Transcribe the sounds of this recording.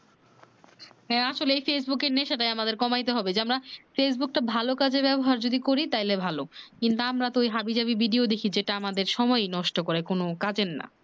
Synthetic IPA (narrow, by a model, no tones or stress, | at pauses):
ɦɛ̃aʃoleejfes̬bukeɾneʃaʈajamad̪eɾkɔmajt̪eɦɔbed͡ʑeamɾafes̬buk̚ʈabʱalokad͡ʑebɛboɦaɾd͡ʑod̪ikoɾit̪ajlebʱalokint̪uamɾat̪oojɦabid͡ʑabibiɖiod̪ekʰid͡ʑeʈaamad̪eɾʃɔmɔenɔʃʈokoɾekonokad͡ʑenːa̰